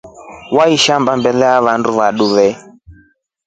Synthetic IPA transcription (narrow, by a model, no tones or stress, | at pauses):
waiʃambambɛlɛaβanduβaɗuβɛ